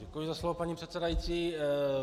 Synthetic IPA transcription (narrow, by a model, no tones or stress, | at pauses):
ɛkujɪzaslɔvopaɲipr̥ɛt̪sɛdajit͡siː